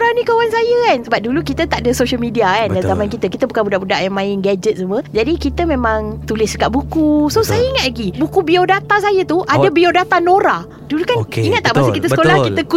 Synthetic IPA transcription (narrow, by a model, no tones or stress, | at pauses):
ɾanĩkəwansajəkansəbap̚dulukit̪ət̪aʔdəsoʃəlmidiakandanzamankit̪əkit̪əbukanbudaʔbudaʔjaŋmãɪnɡad͡ʒət̪̚suməd͡ʒadikit̪əmẽmãŋt̪ulɪsəkaʔbukusosajəiŋat̪̚laɡibukubiodat̪asajət̪uʔadəbiodat̪anõɾa | dulukaniŋat̪̚ːaʔmasəkit̪əsəkolahkit̪əku